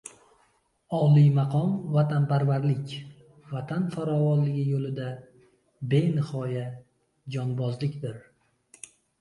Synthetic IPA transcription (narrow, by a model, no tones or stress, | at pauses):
ɒlˠijmɑqʰɒmvat̪ʰanpʰaɾvaɾlɪkʲ | vat̪ʰanfaɾɒvɒnlɪɡʲɪjolɪd̪a | be̞nɪhɒja | d͡ʒɒnbɒzlɪkʲd̪ɪɾ